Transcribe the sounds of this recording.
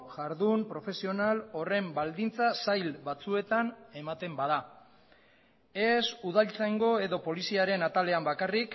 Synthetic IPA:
ʝaɾðumpɾo̞fe̞sio̞nalo̞re̞mbald̪int͡sasajlβat͡sue̞t̪ane̞mat̪e̞mbaða | e̞suð̞alt͡saŋɡo̞e̞ðo̞po̞lisiaɾe̞nat̪ale̞ambakarik

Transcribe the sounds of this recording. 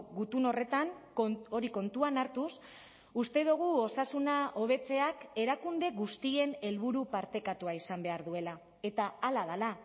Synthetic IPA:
ɣut̪uno̞re̞t̪aŋo̞ɾiko̞nt̪uanaɾt̪us | ust̪e̞ðuɣ̞uo̞sasunaʔo̞β̞e̞t͡se̞ake̞ɾakund̪e̞ɣust̪ie̞ne̞lβuɾupaɾt̪e̞kat̪uaisambe̞aɾðue̞la | e̞t̪aːlaðala

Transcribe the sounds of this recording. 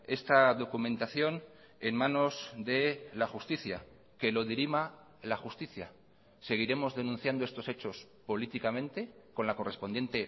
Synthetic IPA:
e̞st̪aðo̞kumẽnt̪aθjo̞n | enmãno̞zd̪e̞laxust̪iθja | ke̞lo̞ðiɾima | laxust̪iθja | se̞ɣ̞iɾe̞mo̞zðe̞nũn̟θjand̪oest̪o̞se̞t͡ʃo̞s | po̞lit̪ikamẽnt̪e̞ko̞nlako̞respo̞nje̞nt̪e̞

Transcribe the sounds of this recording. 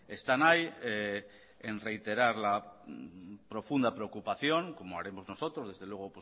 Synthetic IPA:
e̞st̪anaje | enre̞jt̪e̞ɾaɾla | pɾo̞fund̪apɾe̞okupaθjo̞ŋko̞moaɾe̞mo̞zno̞so̞t̪ɾo̞zðe̞zðe̞lwe̞ɣ̞o̞pwo

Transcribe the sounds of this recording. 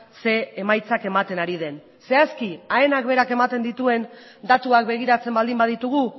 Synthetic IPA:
se̞ːmajt͡sake̞mat̪e̞naɾið̞e̞n | se̞askiae̞nak̚be̞ɾake̞mat̪e̞nd̪it̪ue̞n | d̪at̪uak̚be̞ɣ̞iɾat͡se̞mbald̪imbað̞it̪uɣ̞u

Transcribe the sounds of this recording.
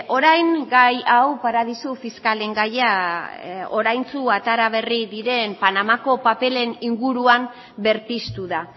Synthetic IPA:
ʔo̞ɾajŋɡajawpaɾað̞isufiskale̞ŋɡaja | o̞ɾajnt͡suat̪aɾaβ̞e̞riðiɾe̞mpanamako̞pape̞le̞niŋɡuɾuam | be̞ɾt̪ist̪uða

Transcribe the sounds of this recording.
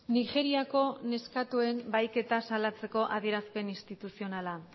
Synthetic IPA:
nixe̞ɾiako̞ne̞skat̪ue̞mbajke̞t̪asalat͡se̞ko̞ʔað̞ie̞ɾaspe̞ninst̪it̪usio̞nala

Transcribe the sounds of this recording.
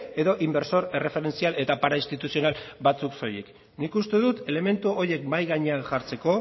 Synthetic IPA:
e̞ðo̞ʔimbe̞ɾso̞ɾe̞re̞fe̞ɾe̞nt͡siale̞t̪apaɾaist̪it̪usio̞nalbat͡sukso̞jek | nikust̪e̞ðut̪e̞leme̞nt̪uoɾje̞kmajɣaɲeaʝaɾt͡se̞ko̞

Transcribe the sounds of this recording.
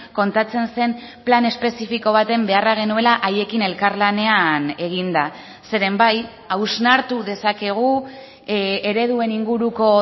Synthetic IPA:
ko̞nt̪at͡se̞nse̞m | plane̞spe̞sifiko̞β̞at̪e̞mbe̞araɣ̞e̞nue̞laʔaje̞kine̞lkaɾlane̞ane̞ɣ̞ind̪a | se̞ɾe̞mbaj | awznaɾt̪uðe̞sake̞ɣ̞u | eɾe̞ðue̞niŋɡuɾuko̞

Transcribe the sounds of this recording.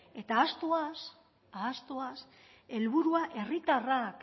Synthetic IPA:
e̞t̪aːst̪oas | aːst̪oas | e̞lβuɾuaʔe̞rit̪arak

